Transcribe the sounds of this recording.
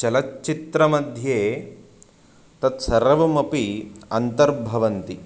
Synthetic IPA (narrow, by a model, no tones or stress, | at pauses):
t͡ʃɐlɐtːt͡ʃit̪ɾɐmɐd̪ʱjeː | t̪ɐt̪sɐɾɐʋɐmɐpiɐnt̪ɐɾbʱɐʋɐnt̪i